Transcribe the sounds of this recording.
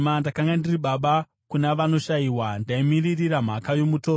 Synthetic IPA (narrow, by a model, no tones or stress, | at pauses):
mandakaŋɡandiriɓaɓa | kunaʋano̞ʃajiwandaimiririram̤akajo̞mutoː